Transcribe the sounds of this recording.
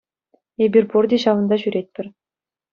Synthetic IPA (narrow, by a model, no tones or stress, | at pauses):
ebʲirʲpurd̪ʲeɕɑʋɤ̆nd̪ɑɕyɾʲet̚ʲpʲɘ̆rʲ